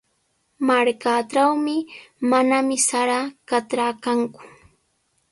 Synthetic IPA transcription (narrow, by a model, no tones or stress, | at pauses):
maɾkaʈ͡ʂawmɪmanamɪsaɾakat̪ɾakaŋkʊ̥